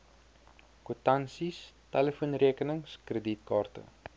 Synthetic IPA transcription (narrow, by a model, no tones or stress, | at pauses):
kutɐnsistæləfunriəkənəŋskrəditkɑːrtə̰